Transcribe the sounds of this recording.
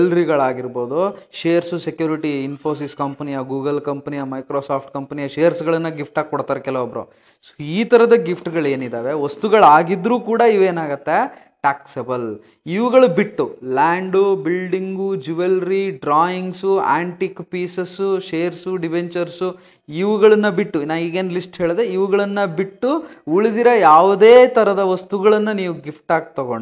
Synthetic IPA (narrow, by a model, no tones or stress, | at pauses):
lɾiɡɐɭaːɡiɾbo̞ːd̪uʃeːɾsusekjuːɾiʈiːnpʰo̞ːs̬iskɐmpɐnijɐɡuːɡɐlkɐmpɐnijɐmɐjkɾoːsaːpʰʈkɐmpɐnijɐʃeːɾsɡɐɭɐnːɐɡifpʰʈaːɡ̚kɔɽt̪aːɾekɛlɐʋɔbɐɾo̰ | iːt̪ɐɾɐd̪ɐɡifʰʈɡɐɭe̞ːnid̪aːʋe̞ʋɐst̪uɡɐɭaːɡid̪ɾuːkuːɽɐiʋeːnaːɡɐt̪ːe | ʈaːksebɐl | iʋuɡɐɭubiʈːulaːɳɖubilɖiŋɡud͡ʒuʋelɾiɖɾaːjiŋɡsua̰ːɳʈikpiːsesuʃeːɾsuɖibeɲt͡ʃɐɾsu | iʋuɡɐɭɐnːɐbiʈːunaːiːɡeːnlisʈɦeːɭd̪eiʋuɡɐɭɐnːɐbiʈːuuɭid̪iɾɐjaːʋud̪eːt̪ɐɾɐd̪ɐʋɐst̪uɡɐɭɐnːɐniːʋuɡipʰʈaːɡ̚t̪ɐɡo̰ɳɖ